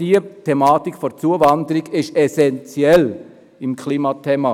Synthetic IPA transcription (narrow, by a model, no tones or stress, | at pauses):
d̥iətʰɛmaːtikfɔt͡suəvɑnd̪əɾiɡɪʃɛsɛnt͡sjɛl | ɪmkʰliːmɑtʰɛːmɑ